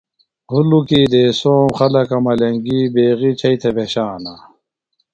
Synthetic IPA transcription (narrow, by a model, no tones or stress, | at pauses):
hulukid̪eːsoːmχɐlɐkɐmɐleŋɡiːbeːɣit͡ɕʰɐjt̪ʰebeɕaːna